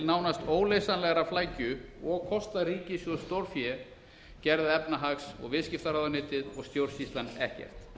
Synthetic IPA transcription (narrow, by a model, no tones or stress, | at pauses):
lnaːwnast̪oːwleːjsanlɛɣaɾaflaːjcʏɔɣkʰɔst̪ariːcɪsjɔst̪owɾ̥fjɛ | cɛɾðɪɛpnaɦaksɔ̰ɣvɪscɪft̪aɾaðanɪːt̪ɪðɔɣst̪jowɾ̥sist̪lanɛ̰hcɛ̰r̥t̪